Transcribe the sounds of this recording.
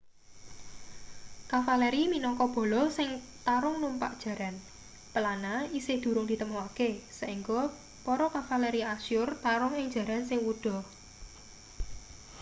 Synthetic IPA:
kafalɛɾiminɔŋkɔb̥ɔ̤lɔsɪŋ | t̪aɾʊŋlumpa̰ʔd̥ʒ̥ä̤ɾan | pəlanaisɪhd̪̥ṳɾʊŋd̪̥i̤t̪əmɔwakesaʔiŋɡo | pɔɾɔkafalɛɾiasʊrt̪aɾʊŋɪŋd͡ʒ̥ä̤ɾansɪŋwud̪̥ɔ̤

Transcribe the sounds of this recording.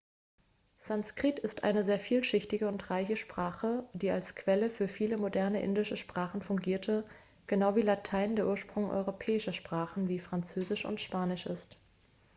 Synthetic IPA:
z̥anskʁ̥itɪstʔa̰ɪnəzeːɐfiːlʃɪçtɪɡəʊntʁaɪçəʃpʁ̥aːχədiːalskʰv̥ɛləfyːɐfiːləmodɛɐnəʔɪ̰ndɪʃəʃpʁ̥aːχn̩fʊŋɡiːɐtʰə | ɡ̥ənaʊviːlatʰaɪndeːɐʔuːɐʃpʁ̥ʊŋʔɔ̰ʏʁopʰɛːɪʃɐʃpʁ̥aːχn̩viːfʁ̥ant͡søːzɪʃʊ̰ntʃpaːnɪʃʔɪ̰st

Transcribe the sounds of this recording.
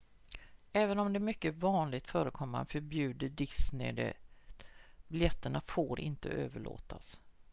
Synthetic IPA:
ɛːvənɔmd̪ɛmʏkːəvɑːnlɪɡ̚t̪fœːɾəkʰɔmːa̰nfœɾbjʉ̟ːd̪əɖɪsnɪ̰d̪ɛ̰ | bɪljɛt̪ːəɳafoːɾɪ̰nt̪ə̰ʔøːvəɭo̰ːt̪ʰa̰s

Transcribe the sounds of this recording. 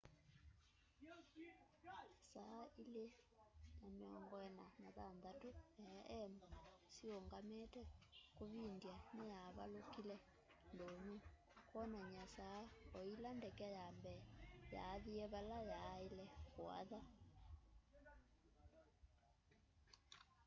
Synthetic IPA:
ɲasaːilejameɔŋɡɔɛnanaðanðatoɛʔɛmasioŋɡametɛkoβindjanejaβalokilɛ | ndome | kɔnaɲasaːɔilandɛkɛjambɛja̰ːðiɛβalajaelɛkwa̰ða

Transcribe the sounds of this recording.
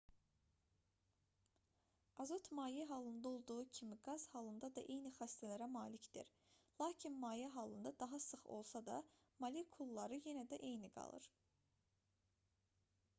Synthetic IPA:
ɑzot̪ʰmɑːjɛɦɑlˠɯnd̪ɑo̞lˠd̪uʁucʰimiɡɑz̥hɑlˠɯnd̪ɑd̪ɑʔe̞jniχæst̪ʰælæɾæmɑːlicd̪̥ḭɾ | lˠɑːcʰinmɑːjæɦɑlˠɯnd̪ɑd̪ɑɦɑsɯχo̞̰lˠsɑd̪ɑ̰ | mɑlʲikʰulˠːɑɾɯje̞næd̪æʔe̞jniɡɑ̰lˠɯ̰ɾ

